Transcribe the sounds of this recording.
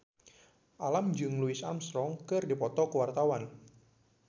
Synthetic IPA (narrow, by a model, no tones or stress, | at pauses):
ʔalamd͡ʒɨŋluɪsa̰mst̪ɾɔŋkɨrdipɔt̪ɔkəwart̪awan